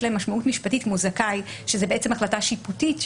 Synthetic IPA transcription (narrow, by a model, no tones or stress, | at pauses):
lemaʃmaʔutmiʃpatitmuzakaj | ʃezebeet͡semaχlataʃiputit